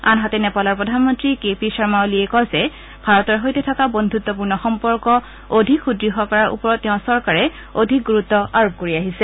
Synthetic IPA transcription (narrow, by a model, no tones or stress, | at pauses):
anɦatɛnɛpalɔɹpɹɔdʱanmɔntɹikepisaɹmaoliɛkɔzɛ | bʱaɹɔtɔɹɦojtɛtʰakabondʱut̪ːɔp̬uɹnɔxɔmpɔɹkɔ | odʱikxudɹiɦakɔɹaɹʔṵpɔɹɔttɛʊ̃sɔɹkaɹɛ | odʱik̚ɡuɹutːɔʔaɹop̚koɹiaɦisɛ